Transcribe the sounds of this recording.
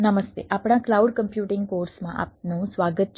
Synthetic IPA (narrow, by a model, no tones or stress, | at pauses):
nəməst̪eʔapɽ̃ãklauɖkəmpjuʈɪŋɡ̚koːɾsmãʔa̰ːp̚nũsʋaɡət̪̚t͡ʃ